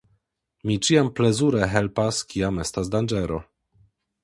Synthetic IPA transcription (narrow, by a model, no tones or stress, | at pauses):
mit͡ʃiamplezuɾɛɦɛlpaskʰiamɛstas̬d̪and͡ʒɛɾo̰